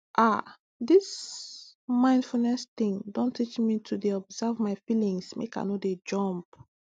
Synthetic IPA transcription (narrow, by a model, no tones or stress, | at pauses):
ʔa | dis | mãɪ̃nd̥fulnɛstĩŋdõntʰit͡ʃmitʰudeɔbz̥ɛvmaɪfilĩŋsmḛka̰ɪnoded͡ʒɔ̃mp